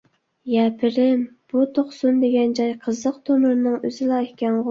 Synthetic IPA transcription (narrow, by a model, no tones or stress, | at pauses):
jɛpʰɪɾɪmb̥ut̪ʰoχsumd̪eɡʲɛnd͡ʒɑjqʰəzːəqt̪ʰomɨɾnɨŋøzɪlˠɑekʲʰɛnʁʊ